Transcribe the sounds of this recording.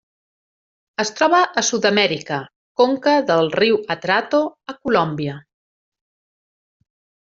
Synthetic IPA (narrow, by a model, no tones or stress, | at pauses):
əst̪ɾɔβ̞əʔːsud̪əmɛɾikə | koŋkəðəlˠriwət̪ɾat̪oəkulɔmbiə